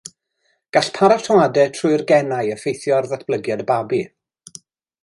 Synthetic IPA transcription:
ɡ̥aɬpʰaɾatʰəwadɛtʰrʊɨrɡɛnajəfejθjɔrðatb̥lˠəɡjadəbabi

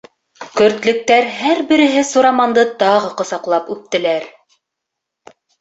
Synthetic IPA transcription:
kɵ̆ɾt̪lɵ̆k̚t̪æɾɦæɾbɘ̆ɾɘ̆ɦɘsuɾɑmɑnd̪ɤt̪ɑʁɤqŏsɑqlˠɑpʉp̚t̪ɘ̆læɾ

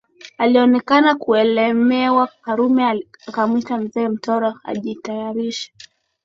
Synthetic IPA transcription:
aliɔnɛkanakuɛlɛmɛwakaɾumɛaakamwitam̩zɛːm̩tɔɾɔa̰ʄitajaɾiʃḁ

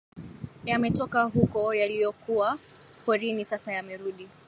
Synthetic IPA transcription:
jamɛtɔkaɦukɔjalijɔkuwa | pɔɾinisasajamɛɾuɗi

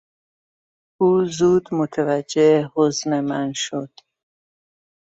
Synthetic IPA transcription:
ʔuːzuːd̪mot̪ʰevæd͡ʒːeehoznemænʃod̪̥

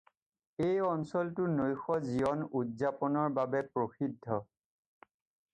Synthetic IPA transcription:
ejɔnsɔltʊnojxɔziɔnudzapɔnɔɹbabɛpɹoxidʱːɔ

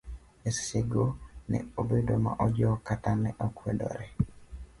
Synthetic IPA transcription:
eseɡonɛ̰obedoma̰ʔɔd͡ʒɔkatanɛʔɔkwɛdɔ̰ɾɛ

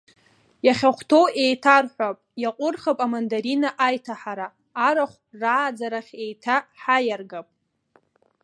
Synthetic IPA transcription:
jaχʲaχʷtʰo̞we̞jtʰarħʷapʼjaqʷʼʊrχapʼamandaɾinaʔajtʰaħaɾaː | ɾaχʷraːd͡zaɾaχʲe̞jtʰaħajarɡapʼ

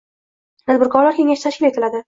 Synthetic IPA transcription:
mʰazbʊɾkʰɒɾlaɾkʲʰe̞ŋaʃɪt̪ʰaʃkʲɪle̞t̪ʰɪlad̪ɪ

